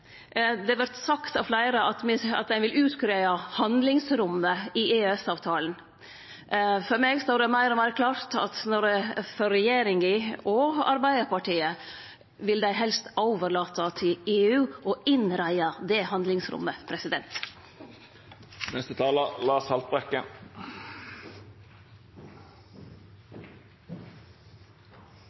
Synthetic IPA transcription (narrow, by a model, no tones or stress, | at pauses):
d̪ɛʋæɾt̪sɑkt̪ɑʋflæɪɾəʔɑt̪mɪɑ̰t̪̚d̪æɪʋɪlʉːt̪kɾeːɑhɑnd̪lɪŋsɾʊmːəɪeːɛsɑːʋt̪ʰɑːlən̩ | fɔɾmeːɡst̪oːɾəmæɪɾɔmæɪɾəkʰlɑːɾt̪ʰɑ̰t̪nɔɾfɔɾɛjeːɾɪŋɡɪɔɑ̰ɾbæɪd̪əɾpɑʈiːə | ʋɪld̪æɪɦɛlst̪oːʋəɾɭɑːt̪ət̪ʰɪleːʉːɔɪnɾæɪɑd̪eːhɑnd̪lɪŋsɾʊ̰mːəpʰɾɛsɪd̪ɛnt̪ | nɛst̪ət̪ʰɑːləlɑːshɑlt̪̚bʁɛkːə̰